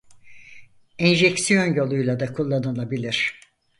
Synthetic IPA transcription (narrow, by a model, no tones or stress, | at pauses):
ɛnʒɛcsijo̞njo̞lˠujlˠad̪akʰulˠːanalˠabilʲiɾ̝̥